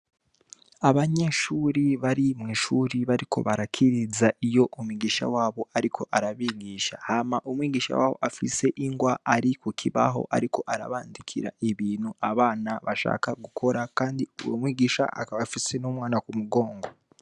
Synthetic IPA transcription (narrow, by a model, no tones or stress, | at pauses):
aβaɲe̞ʃuɾiβaɾimŋiːʃuɾiβaɾikʰo̞̰βaɾakʰiɾizaʔijo̞ʔumwiɡiːʃa̰waːβo̞aɾikʰo̞ʔaɾaβiːɡiːʃahamaʔumwiːɡiːʃa̰wa̰ːβo̞̰ʔafise̞ʔiŋɡwaʔaɾikokʰiβa̰ɦo̞̰ʔa̰ɾiko̞ʔaɾa̰βaːndikʰḭɾa̰ʔiβiːnhuʔaβaːnaβaʃa̰ːkaɡukʰo̞ɾakaːndiuwomwiːɡiːʃa̰ʔa̰kaβafise̞nomwaːnakumuɡo̞ːŋɡo